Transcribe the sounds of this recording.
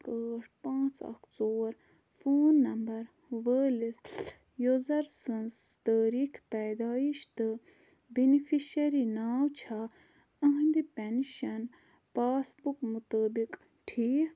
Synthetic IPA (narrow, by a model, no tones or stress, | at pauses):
kəːʈʰpãːt͡sɐ̰kʰt͡soːɾ | foːnːɐmbɐɾ | ʋəːlis | jozɐɾsənst̪əːɾikʰpɛːd̪aːiʃt̪ɨ | binifʰiʃɐɾinaːwt͡ʃʰa | ə̃ɦnd̪ipɛnʃɐn | paːsbukmut̪əːbik | ʈʰiː